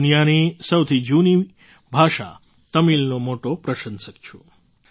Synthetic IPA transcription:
nijanisəwt̪ʰid͡ʒuni | bʱaʃa̰ | t̪əmilnomoʈopɾəʃənsəkt͡ʃʰu

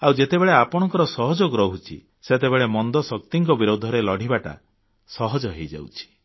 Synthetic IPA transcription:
awd͡ʒet̪ebeɭeapɔɽ̃ɔŋkɔɾɔsɔɦɔd͡ʒoɡɾɔɦut͡ʃʰḭ | set̪ebeɭemɔnd̪ɔsɔkt̪iŋkɔbiɾod̪ʱɔɾelɔɽ̤ʱibaʈa̰ | sɔɦɔd͡ʒɔɦejd͡ʒa̰wt͡ʃʰi̥

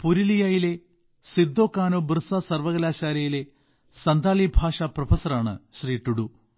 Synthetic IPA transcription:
puɾilijajile | sid̪ːoːkːaːnoːbrɨsɐsɐrʋɐɣɐlaːɕaːɾɐjile̞ | sɐnd̪ʱaːlibʱaːʂaprɐfʰɐsɐraːɳɨ̰ɕriːʈːuɽu

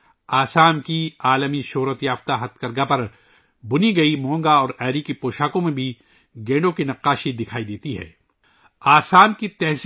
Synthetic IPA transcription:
aːsaːmkiaːləmiʃʊɦɾət̪jaːft̪aɦɐt̪kɐɾɡapɐɾ | bʊniɡɐimɔ̃ːŋɡaɔːɾɛːɾikipoːʃaːkõmẽbʱi | ɡẽːɳɖõkinɐqːaːʃid̪ɪkʰaːid̪eːt̪iɦɛ̰ː | aːsaːmkit̪ɛɦs

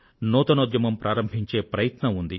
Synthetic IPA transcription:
nɔːt̪ɐnod̪jɐmɐmpɾʔaːɾɐmbʱiɲt͡ʃe̞ːpɾɐjɐt̪nɐund̪i

